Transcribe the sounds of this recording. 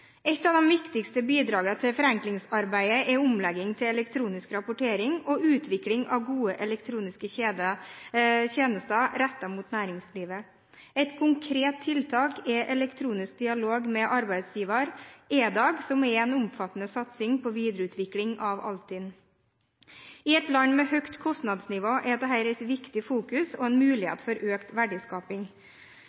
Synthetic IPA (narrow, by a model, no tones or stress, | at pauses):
ɛt̪ːɑʋd̪ɛmʋɪkt̪ɪkst̪əbiːd̪ɾɑːɡət̪ʰɪlfɔɾɛŋklɪŋsɑɾbæɪəʔɛʊmlɛɡɪŋt̪ʰɪlɛlɛkt̪ʰɾuːnɪskɾɑpʊʈeːɾɪŋɔʔʉːt̪ʰʋɪklɪŋʔɑ̰ʋɡuːəʔɛlɛkt̪ʰɾuːnɪskəed̪ə | çeːnəst̪ɑɾɛt̪ːɑmuːt̪næːɾɪŋsliːʋə | ɛɪt̪kʰʊŋkʰɾeːt̪ʰːɪlt̪ʰɑːkɛʔɛlɛkt̪ʰɾuːnɪsk̚d̪ɪɑloːɡmɛʔɑɾbæɪd̪sjiːʋɑɾeːd̪ɑːɡsɔmɛɛnʊmfɑt̪ːən̩əsɑt̪sɪŋpʰɔʋiːd̪ɾəʉːt̪ʰʋɪklɪŋɑʋɑ̰lt̪ʰɪn | ɪɛt̪lɑŋmɛhœkt̪kʰɔst̪nɑd̪snɪʋoːʔɛd̪ɛɦæːɾɛɪt̪ʋɪkt̪ɪfuːkʉsoːɛnmʉːlɪhḛːt̪fɔɾʔøːkt̪ʋæɖɪskɑːpɪŋ